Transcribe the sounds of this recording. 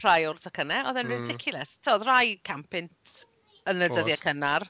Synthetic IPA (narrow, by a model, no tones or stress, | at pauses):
r̥ajʊrθakʰənɛɔðɛnrɪdɪkʰjʊlˠɛstʰɛɔðrajkʰampʰɪntʰ | ənədəðjakʰənar